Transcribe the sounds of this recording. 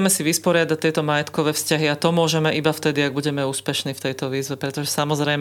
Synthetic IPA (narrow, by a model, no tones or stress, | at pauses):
mɛsiʋispɔɾɪad̪act̪ːɛjt̪ɔmajɛt̪kɔʋɛːfscaɦiat̪ɔmʊɔʒɛmɛʔibaft̪ɛd̪iaɡ̚buɟɛmɛuːspɛʃniːft̪ɛjt̪ɔʋiːzʋɛpɾɛt̪ɔʒɛsamɔzɾɛj